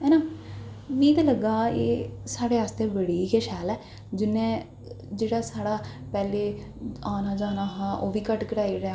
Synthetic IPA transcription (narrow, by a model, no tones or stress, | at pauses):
ɛːnãː | niːt̪aləɡːaːḛːsaːɽeːaːst̪eːbəɽiːkeːʃɛːlɛː | d͡ʒɪnːɛ̃ː | d͡ʒeːɽaːsaːɽaː | pɛːleː | aːnaːd͡ʒaːnaːɦãːʔoːʋiːkəʈkəɽaːiːɾea